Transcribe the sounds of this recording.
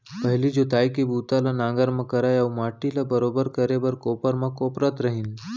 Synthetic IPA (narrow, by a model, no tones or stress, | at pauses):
pɐɦlid͡ʒot̪aːjkibuːt̪alanãːɡəɾmãkɐɾaːjawmaːʈilabəɾoːbəɾkəɾebɐɾkoːpəɾmãkoːpɾət̪ɾɐɦin